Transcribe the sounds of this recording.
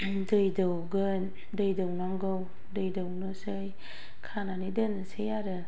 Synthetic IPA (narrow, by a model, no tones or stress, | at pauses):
dɯjdɯwɡɯ | dɯjdɯwnaŋɡɯw | dɯjdɯwnɯsɯj | kʰananidɯnɯsɯjaɾɯ